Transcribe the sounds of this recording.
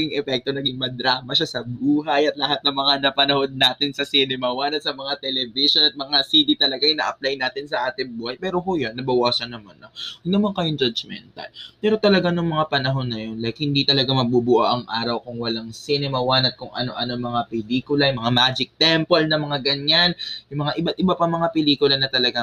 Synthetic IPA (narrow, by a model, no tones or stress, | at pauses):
ɡɪŋʔɛpɛk̚t̪o̞nɐɡɪŋmɐd̪ɾaːmɐʃasɐbuːɦɐjɐt̪lɐhat̪̚nɐŋmɐŋanɐpɐnɐho̞d̪̚naːt̪ɪnsɐsinɪmɐwanɐt̪̚sɐmɐŋat̪ɛlɛvɪʃonɐt̪̚mɐŋasiːd̪it̪ɐlɐɡanɐʔɐplajnaːt̪ɪnsɐʔaːt̪ɪŋbuːhɐjpɛːɾo̞ɦojonːɐbɐwaːsɐnːɐmanːɐwɐɡ̚nɐmaŋkɐjoŋd͡ʒɐd͡ʒmɛ̰nt̪ɐ̰lpɛːɾo̞t̪ɐlɐɡanʊŋmɐŋapɐnɐɦo̞nːɐjo̞nlɐjk̚hɪnd̪it̪ɐlɐɡamɐɡ̚bubʊʔaʔɐŋʔaːɾɐwkʊŋwɐlaŋsinɛmɐwanɐt̪̚kʊŋʔɐ̰no̞̰ʔɐnoŋmɐŋapɛliːkʊlɐjmɐŋamaːd͡ʒɪk̚t̪ɛmpolnɐmɐŋaɡɐɲanjʊŋmɐŋaʔɪbat̪̚ʔɪbapɐmɐŋapɛliːkʊlɐnɐt̪ɐlɐɡa